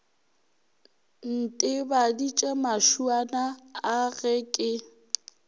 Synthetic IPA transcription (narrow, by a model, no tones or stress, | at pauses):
n̩tʼɪbadit͡ʃʼɛmaʃuanaːɣɛkʼɪ